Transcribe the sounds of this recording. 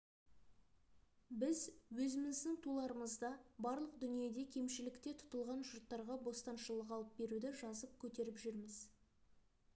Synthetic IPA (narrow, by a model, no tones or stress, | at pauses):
bɪzwɵzɪmɪzd̪ɪŋt̪ʰulˠɑɾəməzd̪ɑbɑɾlˠəq̚d̪ʏnije̞d̪e̞kʲʰe̞mʃɪlɪkt̪e̞t̪ʰʊ̥t̪əlˠʁɑnʒʊɾt̪ːɑɾʁɑbo̞st̪ɑnʃəlˠəqɑlˠəp̚be̞ɾud̪ɪʒɑzəp̚kʲʰɵt̪e̞ɾɪpʒʏɾmɪz